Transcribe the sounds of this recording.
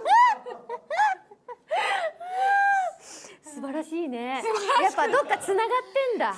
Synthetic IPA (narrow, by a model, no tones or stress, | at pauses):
sɨbaɾaɕiːne̞japːad̪o̞kːat͡sɨnaɡat̪ːẽ̞nd̪a